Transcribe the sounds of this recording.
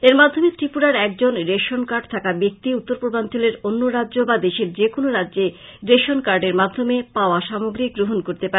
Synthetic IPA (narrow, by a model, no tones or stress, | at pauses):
eɾmad̪ʱːomet̪ɾipuɾaɾɛk̚d͡ʑonɾeʃonkaɾɖ̚t̪ʰakabek̚t̪iut̪ːoɾpɾobʱant̪ʰileɾonːoɾadʑobad̪eʃeɾd͡ʑekonoɾadːʑe | ɾeʃonkaɾɖeɾmad̪ʱːomepaoaʃamoɡɾiɡɾoɦonkoɾt̪epaɾe